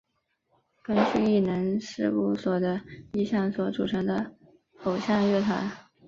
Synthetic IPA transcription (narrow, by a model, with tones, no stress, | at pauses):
kə˥ŋt͡ɕy˥˧i˥˩nə˧˥ŋʂɻ̩˥˧u˥˩swɔ˨˩d̪ə˦i˥˧ɕjɑ˥˩ŋswɔ˧˥ʈ͡ʂu˨˩ʈ͡ʂʰɤ˧˥ŋd̪ə˧ | o˨˩ʊɕjɑ˥˧ŋɥɛ˥˩t̪ʰwa˧˥n